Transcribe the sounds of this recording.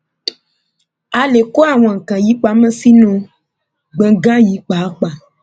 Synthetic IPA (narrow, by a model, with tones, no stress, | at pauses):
a˨le˨ko˦a˦˨w̃ã˨kã˨ji˨˦k͡pa˨˦mɛ̃˦si˦nõ˧ | ɡ͡bẽ˨ɡã˦ji˨˦k͡pa˨˦k͡pa˨